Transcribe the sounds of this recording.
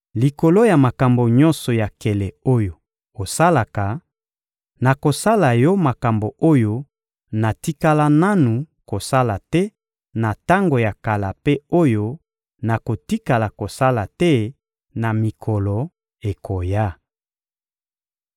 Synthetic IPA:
li˨ko˨lo˦ja˨ma˨ka˨mbo˨ɲɔ̃˦nsɔ˨ja˨kɛ˨lɛ˨o˦jo˨ | o˨sa˦la˨ka˨ | na˨ko˨sa˦la˨jɔ˦ma˨ka˨mbo˨ʔo˦jo˦ | na˨ti˦ka˦la˦na˦nu˨ | ko˨sa˦la˨tɛ˦ | na˨ta˦ŋɡo˨ja˨ka˨la˨pe˦o˦jo˦ | na˨ko˨ti˦ka˨la˨ko˨sa˦la˨tɛ˦ | na˨mi˨kʰɔ˨lɔ˨ | e˨kʰo˨ja˦

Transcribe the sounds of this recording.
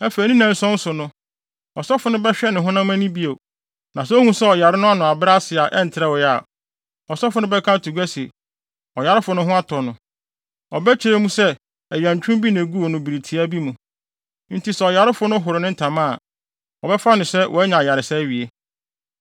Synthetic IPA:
ɛ˦fe˨nĩ˦nã˨n̩˦sɔ̃˦n̩˦sʊ˨nʊ̃˦ | ɔ˨sɔ˦fʊ˨nʊ̃˦bɛ˦ɕᶣɛ˦nɪ̃˨ɦʊ̃˦nã˦mã˦nĩ˦bi˦e˨ | nã˨s̬ɛ˦o˦hũ˦sɛ˦ɔ˨ja˨ɾɪ˦nʊ̃˦a˦nʊ̃˨a˨bɾa˦sɪ˨a˨ʔɛ˦n̩˨tʰɪ˨ɾɛ˦˨wɔ˨ja˦˨ | ɔ˨sɔ˦fʊ˨nʊ̃˦bɛ˦kʰã˦tʰu˨ɡæ˦si˨e˨ | ɔ˨ja˨ɾɪ˦fʊ˨˦nʊ̃˦ɦʊ̃˦a˦tʰɔ˨nʊ̃˨ | ɔ˨bɛ˦t͡ɕʰɪ˨ɾe˦mũ˦sɛ˦ | ɛ˨jã˨ɲ˨t͡ɕᶣʊ̃˦mbi˦nẽ˨ɡu˦o˨nʊ̃˨bi˨ɾi˨tʰi˨a˦bi˦mũ˨ | n̩˦tʰi˨sɛ˨ɔ˨ja˨ɾɪ˦fʊ˦nʊ̃˦ɦʊ˨ɾɪ˨nɪ̃˦n̩˦tʰã˨mã˦˨ | ɔ˨bɛ˦fa˦nʊ̃˨sɛ˦wʔɔ̰˨ɛ˦ɲã˨ja˨ɾɪ˨sɛ˦ɥi˨e˦

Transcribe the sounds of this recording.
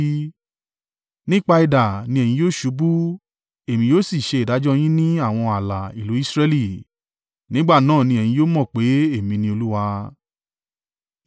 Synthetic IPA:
nĩ˦k͡pa˧i˧da˨nĩ˧ɛ̃˨ĩ˧˦joː˦ʃu˨˦bu˦ | e˦˨mĩ˧joː˦˨si˦˨ʃe˧i˨da˨˦d͡ʒɔ˦j̃ĩ˦nĩ˦a˦˨w̃ɔ̃˧a˨la˨i˨lu˨˦i˦sɾe˧li˦˨ | nĩ˨˦ɡ͡ba˦˨nãː˦˨nĩ˧ɛ˨j̃ĩ˧˦joː˦mɔ̃˦˨k͡pe˨˦e˦˨mĩ˧nĩ˧o˧lu˦wa˧

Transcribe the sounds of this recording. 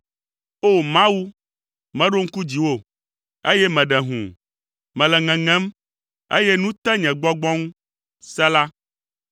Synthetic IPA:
o˦mã˦wu˦ | mɛ̃˨˦ɖo˦ŋ̩˦ku˦d͡ʑi˨wo˦˨ | e˦jɛ˦mɛ̃˨ɖɛ˨ɦṵ̃˨ | mɛ̃˨lɛ˨ŋɛ̃˨ŋɛ̃˦m | ḛ˦jɛ˦nũ˦t̪ɛ˦ɲɛ̃˨ɡ͡bɔ˦ɡ͡bɔ̃˦ŋũ˦ | sɛ˦la˦

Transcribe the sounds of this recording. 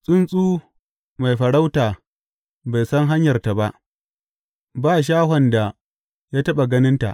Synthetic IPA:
sʼɪ˦nsʼuː˦ | ma˨jɸɐ˨ɽa˦wtaː˨ | ba˨jsɐ˦ŋɦa˦ɲjɐ˨rta˨ba˦ʔ | baː˦ʃ̬aː˦ɦɔ˨nda˨ | jaː˦tɐ˦ɓa˨ɡɐ˦nɪ˦nta̰˨ʔ

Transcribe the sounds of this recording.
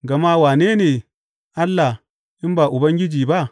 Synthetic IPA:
ɡa˨ma˦waː˨ne˦ne˨ | a˦lːa˨ | i˦mba˨ʔu˨ba˦ŋɡʲi˦d͡ʒiː˨ba˦

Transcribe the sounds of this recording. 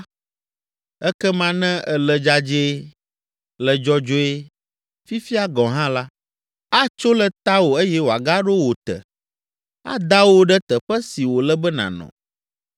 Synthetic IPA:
ɛ˦kɛ˦mã˦nɛ̃˦ɛ˨lɛ˨d͡ʒa˦d͡ʒe˦ | lɛ˨d͡ʒɔ˦d͡ʒo˦e˦ | fi˦fi˦a˦ɡɔ̃˨ɦã˦la˦ | a˦t͡ʃo˦lə˨t̪a˦wo˨e˦jɛ˦wo˨a˨ɡa˦ɖo˦wo˨t̪ɛ̰˨ | a̰˦d̪a˦wo˦ɖɛ˦t̪ə˨ɸɛ˦si˨wo˨lɛ˦bɛ˦nã̰˨nɔ̰̃˨

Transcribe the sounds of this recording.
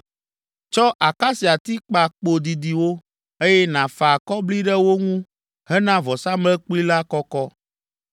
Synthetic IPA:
t͡ʃɔ˦ʔa˨ka˦si˨a˨t̪i˦k͡pa˨k͡po˨d̪i˨d̪i˨wo˦ | e˦jɛ˦nã˨fa˨kɔ˦bli˦ɖɛ˦wo˦ŋũ˦ | ɦɛ˦nã˦vɔ˨sa˦mlɛ˦k͡pli˦la˦kɔ˦kɔ˦

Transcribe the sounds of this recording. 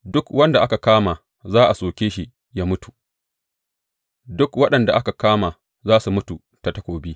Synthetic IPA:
dʊ˦kwɐ˦nda˨ʔa˦ka˨kaː˦maː˨ | zaː˦ʔa˨soː˨kʲeː˦ʃi˦ʔ | jaː˦mʊ˦tu̥˨ | dʊ˦kwɐ˦ɗɐ˨nda˨ʔa˦ka˨kaː˦maː˨ | zaː˦su˨mʊ˦tu˨ | ta˨tɐ˦kʷoː˨biː˦

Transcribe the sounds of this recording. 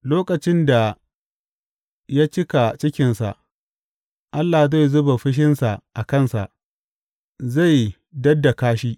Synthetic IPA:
loː˦kɐ˨t͡ʃɪ˦nda˨ | ja˦t͡ʃɪ˦ka˨t͡ʃɪ˦kʲɪ˨nsa̰˨ʔ | ʔa˦lːa˨za˦˨jzʊ˦ba˨ɸɪ˦ʃ̬ɪ˦nsa˨ʔa˨kɐ˦˨nsa̰˨ʔ | za˦˨j | dɐ˦dːa˨kaː˦ʃiː˦

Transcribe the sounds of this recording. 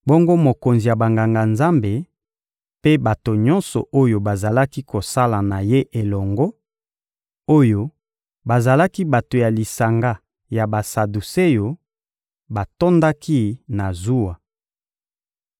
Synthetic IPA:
bo˦ŋɡo˦mo˨ko˨nzi˨ja˨ba˨ŋɡa˨ŋɡa˨nza˦mbe˨ | pe˦ba˨to˨ɲɔ̃˦nsɔ̰˨ʔo˦jo˦ba˨za˨la˦ki˦ko˨sa˦la˨na˨je˦ʔe˨lɔ˨ŋɡɔ˦ | o˦jo˦ | ba˨za˨la˦ki˦ba˨to˨ja˨li˨sa˨ŋɡa˦ | ja˨ba˨sa˨du˨se˦jo˨ | ba˨tɔ˦nda˦kʰi˦na˨zu˦wa˨

